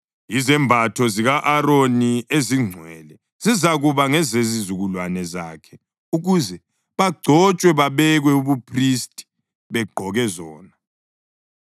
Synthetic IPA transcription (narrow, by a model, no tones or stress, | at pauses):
izɛmbʱatʰɔziɣaʔaɾonieziŋ͡ǀʱwɛ̰lɛ | z̥izaɣuβaŋɛzezizuɣulwanɛza̰kʰɛ | uɣuzɛ | βaɡ͡ǀʱɔt͡ʃʼwɛβaβɛɣwɛuβupʰristʼi̥ | βɛɡ͡ǃʱɔɣɛzɔːna